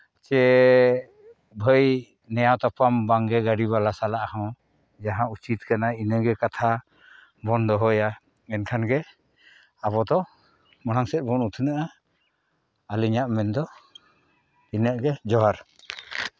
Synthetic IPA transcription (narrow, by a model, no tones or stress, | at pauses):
t͡ʃɛ | bʱəj | nɛjawt̪ɔpambaŋɡɛɡaɖiβalasalaʔahɔ̃ | d͡ʒaɦãut͡ʃit̪̚kanainəɡɛkat̪ʰa | bɔnd̪ɔɦɔja | ɛnkʰanɡɛ | abɔd̪ɔ | mɔɽ̃aŋsɛt̪̚bɔnut̪ʰənaʔa | aliɲaʔmɛnd̪ɔ | inəʔɡɛd͡ʒɔɦaɾ